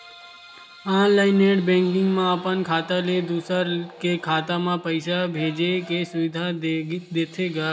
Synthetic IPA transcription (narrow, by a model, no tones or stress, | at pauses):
ãːnlaːɪneːʈbẽːŋkɪ̃ŋɡmãəpənkʰaːt̪aled̪uːsəɾkekʰaːt̪amãpəɪsabʱeːd͡ʒekesʊʋɪd̪ʱad̪eːt̪ʰeɡaː